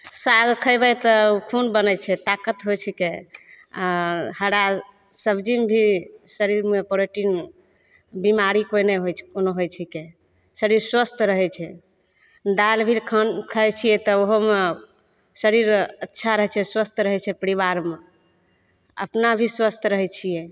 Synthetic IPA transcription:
saɡkʰəjbɛt̪ɔukʰunbənɛt͡ʃʰɛt̪akət̪ɦojt͡ʃʰike | həɽa | səbʱd͡ʒimbʱisəɾiɾmepoɾeʈin | bimaɾikojnɛɦojt͡ʃʰkonoɦojt͡ʃʰike | səɾiɾswəst̪ʰɾəɦɛt͡ʃʰɛ | d̪albʱiɾkʰənkʰət͡ʃʰijɛt̪ɔoɦome | səɾiɾətːʃʰaɾəɦɛt͡ʃʰɛswəst̪ʰɾəɦɛt͡ʃʰɛpəɾiβaɾme | ə̰pnabʱiswəst̪ʰɾəɦɛt͡ʃʰijɛ

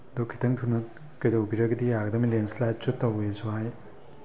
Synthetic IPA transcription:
dokʰːi̥tʰɐŋtʰunɐ | kɐjdowbiɾɐɡɐdiaɡɐdɐmilenslajt̚t͡ʃutːɐwesuɦaj

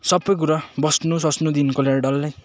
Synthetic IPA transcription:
sʌbːʌjk̬uɾabʌsnusʌsnud̪inkoleɖʌlːaj

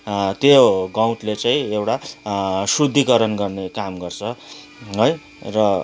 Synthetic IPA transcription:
t̪joɡaw̃ʈlet͡saĩewʈa | sud̪ʱːikʌɾʌnɡʌrnekamɡʌrt͡sʰʌ | ɦoj | rʌ

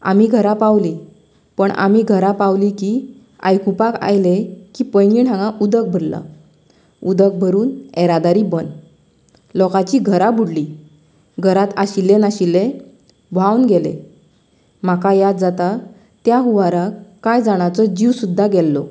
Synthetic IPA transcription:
a̰miːɡʱəɾapawli | pəɳa̰miːɡʱəɾapawlikiː | a̰jkupaka̰jlekiːpəjniʈãŋɡãʔud̪ək̚bʱəɾla̰ | ud̪ək̚bʱəɾuːnɛɾad̪aɾiːbən | lɔkat͡ɕiːɡʱəɾabʱuɽli | ɡʱəɾat̪aɕilːenaɕilːe | ʋawnɡɛlḛ | m̤akajad̪d͡zat̪a | t̪jaɦuʋaɾakkːajd͡zaɽ̃at͡səd͡ʑiʋsud̪ʱːaɡɛlːɔ

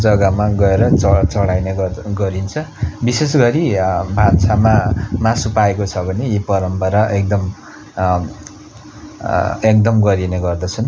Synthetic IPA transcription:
d͡zʌɡʌmaɡʌeɾʌʌt͡sʌɽajneɡʌɡʌɾint͡sʰʌbisesɡʌɾibʱansamamasupaekot͡sʰʌbʱʌnejipʌɾʌmpʌɾʌʔek̚d̪ʌm | ek̚d̪ʌmɡʌɾineɡʌrd̪ʌt͡sʰʌn

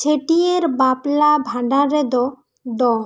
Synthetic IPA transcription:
t͡ʃʰeʈieɾbaplabʱaɖaɾed̪ɔ | d̪ɔ

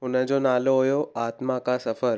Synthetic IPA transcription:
ɦʊnə̃d͡ʑonaːloɦojoaːt̪mãkasəfəɾ

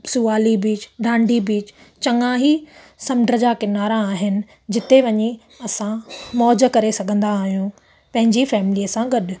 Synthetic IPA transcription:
sʊʋaːlibiːt͡ɕɖʱãːɳɖʱibiːt͡ɕ | t͡ɕɐŋãɦi | sɐmɖɾəd͡ʑakɪnaːɾãːɦɪnɪ̆ | d͡ʑɪt̪eʋɐɲi | ɐsãmɔːd͡ʑ̆kɐɾesɐɡʱə̃nd̪aːɦijũ | pɐ̃ɦɪ̃ɲd͡ʑifɛːmɪliːəsãɡɐɗʊ̆

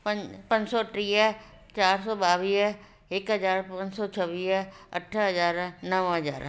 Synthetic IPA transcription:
pɐ̃pɐ̃ɲd͡ʒsɔːʈɾiːə | t͡ʃaːɾsɔːɓaːʋiː | ɪkɦɐzaːɾpɐ̃ɲd͡ʒsɔt͡ʃʰəʋiːɐ̰ʈʰɦɐzaːɾnɐʋɦɐza̰ːɾ

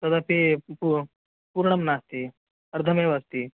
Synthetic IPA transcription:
t̪ɐd̪apipu | puɾɳɐmnast̪i | ɐɾd̪ʱɐmeʋast̪i

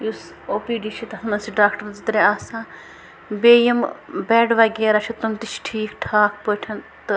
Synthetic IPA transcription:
jus | oːpiːɖiʃʰit̪ɐsmɐnsiɖaːkʈɐɾd͡ʒit̪ɾeaːsãː | beːjɐmbɛːɖʋɐɡeːɾɐt͡ʃʰit̪unt̪it͡ʃʰʈʰiːkʈʰaːkʰpəʈʰɐnt̪ɨ

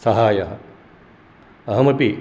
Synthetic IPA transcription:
sɐɦaːjaɦɐ | ɐɦɐmɐpi

